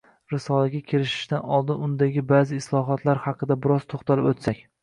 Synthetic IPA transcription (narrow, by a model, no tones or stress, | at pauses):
ɾɪsɒlaɡʲakʲʰɪɾɪʃɪ̥ʃt̪anɒlˠd̪ɪʊnd̪aɡʲɪbaːzɪːslˠɒɦɒt̪ʰlaɾhɑqɨd̪abɪɾɒzt̪ʰoχt̪alɪpot̪sakʲ